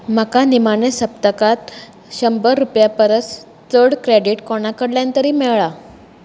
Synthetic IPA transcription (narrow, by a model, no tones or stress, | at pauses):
m̤əkanimaɳesəp̚t̪əkat̪ | ɕəmbəɾupjapəɾət͡s | t̪əɽkɾeɽiʈkɔɽ̃akəɽljãnt̪əɾiːmɛɭɭa